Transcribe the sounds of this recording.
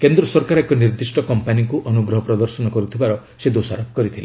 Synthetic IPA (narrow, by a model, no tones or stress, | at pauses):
kend̪ɾɔsɔɾkaɾɔekɔniɾd̪isʈɔkɔmpanikuʔɔnuɡɾɔɦɔpɾɔd̪ɔɾsɔnɔkɔɾut̪ʰibaɾɔ | sed̪osaɾɔkkɔɾit̪ʰile